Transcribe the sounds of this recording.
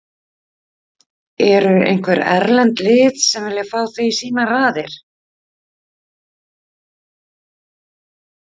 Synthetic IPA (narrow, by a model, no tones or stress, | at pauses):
ɛɾʏḛjŋkʰvɛɾɛ̰ɾlɛnt̪lɪːt̪sɛmvɪljafaːwθveisiːnaraːðɪɾ̥